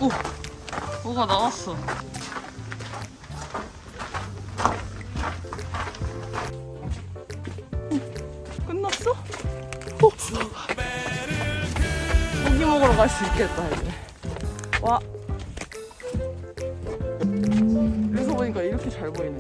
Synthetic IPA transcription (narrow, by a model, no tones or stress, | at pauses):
o | moɡanawas͈ʌ | k͈ɯnːʌp̚s͈ʌ | oɡimʌɡɯɾokas͈uik͈e̞t̚t͈aiɡe | wʔa | kɯs̬ʰʌboɲik͈aiɾʌkʰet͡ɕaɭɡoinː